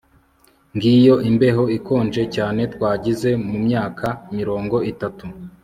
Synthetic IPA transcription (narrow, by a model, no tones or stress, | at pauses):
ŋɡijo̞ʔimbe̞ɦo̞iko̞ːnd͡ʒe̞caːne̞tkwaːɟize̞mumɲaːkʰaimiɾo̞ːŋɡo̞ʔitatu